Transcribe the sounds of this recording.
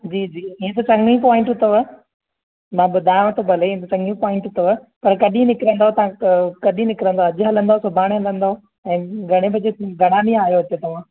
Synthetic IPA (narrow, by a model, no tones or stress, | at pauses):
d͡ʑiːd͡ʑiːĩːẽt̪̬ɐt͡ɕɐŋɡĩpɔːɪ̃ɳʈɦʊt̪əʋə | mãbʊd̪ʱaːjʋ̃t̪obʱɐleiẽt̪ɐt͡ɕɐ̃ŋɡĩpɔːɪ̃ɳʈɦʊt̪əʋə | pɐɾkɐɗĩnɪkɪɾə̃nd̪aɦot̪ɐʋ̤ãkɐɗĩnɪkɪɾə̃nd̪aɐd͡ʑɦɐlə̃nd̪aɦosʊbʱaːɽ̃eɦɐlə̃nd̪aɦo | ɛ̃ːɡʱɐɽ̃ebɐd͡ʑeɡʱɐɽ̤̃alĩaːɦijoɦɐt̪et̪ɐʋ̤ã